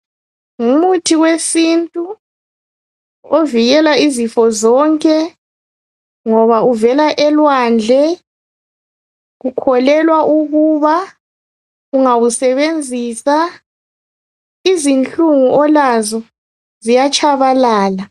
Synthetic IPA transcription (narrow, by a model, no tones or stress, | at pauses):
ŋumutʰiɣwesintʼu | oviɣɛlaizifɔzɔŋkʼɛ | ŋɔβauvɛlaʔɛlwand͡ɮʱɛ | ɣukʰɔlɛlwaʔuɣuβa | ɣuŋaɣusɛβend͡zʱiːsa | izint͡ɬuŋuʔɔlazɔ | zijat͡ʃʼaβalaːla